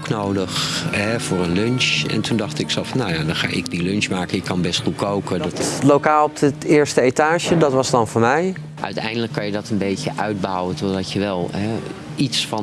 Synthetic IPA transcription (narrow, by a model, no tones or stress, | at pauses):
knowdəχɛv̥ʊːrənlɵnʃɛ̰ntundɑχtɪksɛlˠfɑnːawjaːdɑnχaːʔɪ̰ɡdilɵnʃmaːkənɪkːɑnbɛstχut̚kowkədlokaːlˠɔp̚ətɪːɹstəejtaːʒədɑtʋɑsdɑnvʊːɹmɛj | ʔœ̰ɥtɛjndələkːɑnjədɑtənbejcəʔœɥd̚bawətɔdɑtjəʋɛlˠɦɛ | itsfɑ